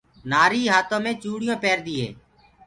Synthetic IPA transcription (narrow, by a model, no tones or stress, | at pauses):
naːɾiːɦaːt̪õːmẽːt͡ʃuːɽɪjõːpɛːɾd̪iːɦḛ̃ː